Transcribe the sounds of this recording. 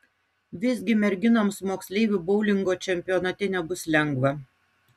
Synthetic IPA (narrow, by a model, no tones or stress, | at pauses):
ʋʲɪzʲɡʲɪmʲɛɾʲɡʲɪnoːmsmoːksʲlʲɛɪʋʲubɔʊlʲɪŋɡoːt͡ʃʲɛmʲpʲɪjɔːnɐt̪ʲɛnʲɛbʊslʲɛŋɡʋɐ